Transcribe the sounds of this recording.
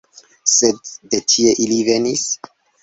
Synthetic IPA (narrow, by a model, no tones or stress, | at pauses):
sedːetʰieʔilive̞nis